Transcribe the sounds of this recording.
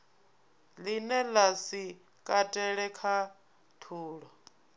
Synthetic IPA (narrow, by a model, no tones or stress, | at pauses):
linɛlasi | kʼatʼɛɺɛkʰa | t̪ʰuːɺɔ